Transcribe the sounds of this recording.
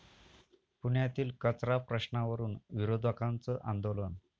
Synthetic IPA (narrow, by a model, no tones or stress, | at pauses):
puɳjat̪iːlkət͡sɾapɾəɕɳaʋəɾuːnʋiɾod̪ʱakant͡səʔand̪olən